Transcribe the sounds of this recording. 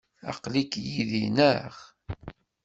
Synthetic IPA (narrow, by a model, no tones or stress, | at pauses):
ɑ̰qlikjiðinəʁ